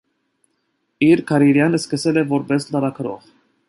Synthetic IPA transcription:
iɾkʰɑɾiɾjɑnəskəsɛlɛvɔɾbɛslɑɾɑkʰəɾɔ̰ʁ

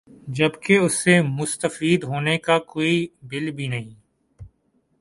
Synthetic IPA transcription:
d͡ʒəbkeʊsːemʊst̪əfiːd̪ɦoːnekakoːiːbɪlbʱiːnəɦĩː

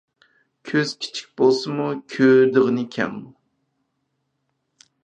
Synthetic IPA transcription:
kʲʰøz̥kʲʰi̥t͡ʃʰi̥k̚ʲbolˠsɨmukʲʰød̪ɨʁɨnɨkʲʰɛ̰mːu

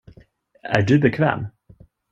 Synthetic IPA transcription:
æ̰ɖɵbɛkʰvɛ̰ːm

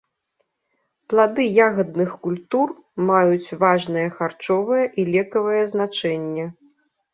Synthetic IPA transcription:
plˠad̪ɨjaɣɐd̪̚nɨxkulʲt̪ur | majut͡sʲvaʐnɐjɐxart͡ʂɔvɐjɐʔilʲɛkɐvɐjɐznat͡ʂɛnʲːɛ

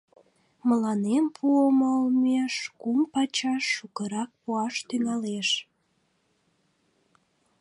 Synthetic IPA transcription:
məlɑnempʰuomolmeʃkumpɑt͡ɕɑʃːukəɾɑk̚puɑʃt̪yŋɑleʃ

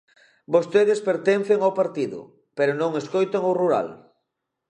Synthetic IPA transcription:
bost̪eðɪspeɾt̪ɛnθeŋawpaɾt̪iðʊ̰ | peɾʊnõŋeskojt̪eŋoruɾa̰l

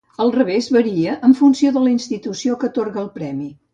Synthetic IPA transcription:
əlˠrəβezβəɾiəʔəɱfunsioðələinst̪it̪usiokət̪orɣəlˠpɾɛmi

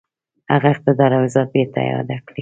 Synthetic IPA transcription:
ha̰ɣaɪq̚t̪ɪd̪ɑɾawɪzɑt̪̚bet̪a̰jɑ̰d̪akɽi

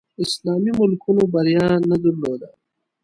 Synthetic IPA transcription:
ɪslaːmimʊlkunobɐɾijaːnɐd̪uɾloːd̪a

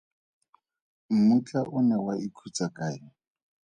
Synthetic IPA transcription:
m̩mut͡ɬʼaʔʊnɛwaʔikʰut͡sakʼaːɪ

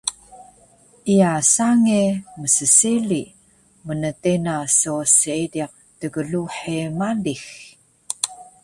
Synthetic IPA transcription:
ʔiasaŋeməsəsili | mənətenasosəidiq̚təɡəɮuħemalix

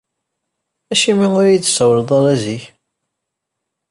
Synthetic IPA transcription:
æʃimiʊɾjid̪səwɾəd̪ˤɑɾˤæziç

